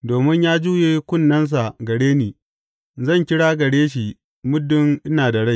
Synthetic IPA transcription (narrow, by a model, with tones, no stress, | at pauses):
doː˨mɪ˦ɲjaː˦d͡ʒuː˦jeː˦kʷʊ˦˨nːɐ˦ns̬a˨ɡɐ˨ɽeː˦niː˨ | zɐ˦˨ŋkʲɪ˦ɽaː˦ɡɐ˨ɽeː˦ʃ̬i˨ | mʊ˦dːʊ˦ŋʔɪ˦naː˨dɐ˨ɽa˦j